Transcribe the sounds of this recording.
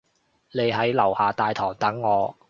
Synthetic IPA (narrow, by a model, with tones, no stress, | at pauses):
ne˨˧jɦɐ˨˥jlɐ˨˩whaː˨t̪aː˨jt̪ʰɔː˨˩ŋt̪ɐ˨˥ŋːɔː˨˧